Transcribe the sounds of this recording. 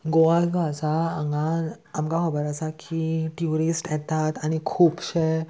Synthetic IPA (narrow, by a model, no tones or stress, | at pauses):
ɡoʋalɡʱasaːŋɡaː | mkaɦɔbəɾasakʰiʈjuɾisʈjɛt̪at̪aɽ̃ikʰuːpɕe